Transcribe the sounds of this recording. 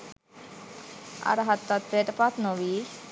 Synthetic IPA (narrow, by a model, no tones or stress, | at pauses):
a̰ɾəɦat̪ːat̪ʋeʈəpat̪noʋiː